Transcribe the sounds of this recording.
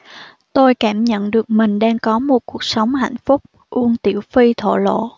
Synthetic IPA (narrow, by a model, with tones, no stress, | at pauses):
t̪o˧jkaː˧˩mɲə̰˧˨nɗɨ˨˩ək̚mï˨˩ŋ̟ɗaː˧ŋkɔ˨˦mo˨˩t̚ku˨˩ək̚sə˨˦wŋ͡mha̰˧˨jŋ̟fʊ˦˥k͡p̚ | ʔu˧ənt̪ḭ˧˩əwfi˧t̪ʰo̰˧˨lo̰˧˨